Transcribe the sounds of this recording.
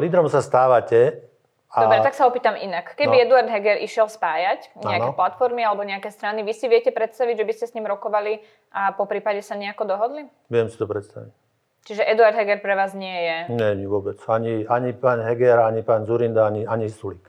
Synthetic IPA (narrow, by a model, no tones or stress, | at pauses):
liːd̪ɾɔmsast̪aːʋacɛ | adɔbɾɛt̪aksaɔpiːt̪amʔḭnakkːɛbiɛd̪uaɾd̪ɦɛɡɛɾʔḭʃɪɛlspaːjacɲɛakkɛplat̪fɔɾmialɛbɔɲɛakɛːst̪ɾaniʋisiʋɛcɛpɾɛt̪st̪aʋiɟʒɛbiscɛsɲimɾɔkɔʋali | ʔapɔpɾiːpaɟɛsaɲɛakɔd̪ɔɦɔd̪li | ʋɪɛmsi̥t̪ɔpɾɛt̪st̪a̰ʋic | t͡ʃiʒɛʔɛd̪uaɾd̪ɦɛɡɛɾpɾɛʋaːzɲɪɛjɛɲɛɲiʋʊɔbɛt͡saɲiaɲipaːɲɦɛɡɛɾaɲipaːnzuɾind̪aaɲiaɲisulik